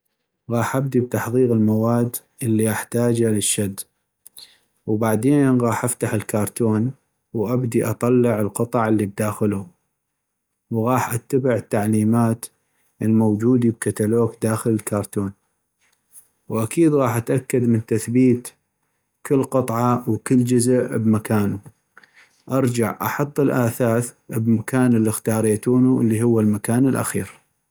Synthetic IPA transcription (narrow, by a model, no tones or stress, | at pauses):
ɣɑːħʔab̚d̪ib̚t̪ɑħðˤiːɣəlmawaːd̪ | ʔɪlːiʔaħt̪aːd͡ʒaləʃːad̪ː | wbaʕd̪eːnɣɑːħʔaft̪aħɪlkɑːɾˤt̪uːn | wʔabd̪iʔɑt̪ˤɑlːɪʕəlqɨt̪ˤɑʕɪlːib̚d̪aːxɪlu | wɣɑːħʔat̪ːabɪʕət̪ːaʕliːmaːt̪ | ʔəlmowd͡ʒuːd̪ib̚kat̪aloːkd̪aːxələlkʰɑɾˤt̪uːn | wʔakʰiːd̪ɣɑːħʔat̪ʔakːad̪mənt̪aθbiːt̪ | kɪlːqɨt̪ˤʕɑwkɪlːd͡ʒʊzəʔbmakaːnu | ʔɑɾˤd͡ʒaʕʔɑħɑt̪ˤːɪlʔaːθaːθbmakaːnɪlːixt̪ɑːɾˤeːt̪uːnuʔəlːiɦʊwːalmakaːnɪlʔa̰xiːɾ